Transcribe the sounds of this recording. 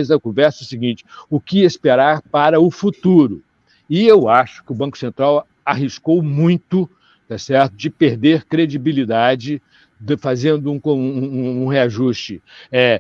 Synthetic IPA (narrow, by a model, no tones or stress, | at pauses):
zɐkõvɛɾsɐɛsɪɡĩnt͡ʃɪ̥ʊkɪespeɾaɾpaɾɐʊfut̪uɾʊ | ɪewaʃʊ̥kɪʊbɐ̃kʊ̥sẽnt̪ɾaw | aɦiskowmũj̃t̪ʊ | t̪asɛɾt̪ʊd͡ʒɪpeɾd̪eɾkɾed͡ʒibilid̪ad͡ʒɪ | d̪fazẽnd̪ʊũkõũheaʒust͡ʃɪɛ